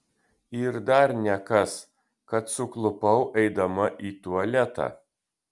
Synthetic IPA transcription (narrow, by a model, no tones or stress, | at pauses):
ɪɾd̪ɐɾnʲɛkɐs | kɐt̪sʊklˠʊpɐʊʔɛɪd̪ɐmɐʔiːt̪uɐlʲɛt̪ɑ̰ː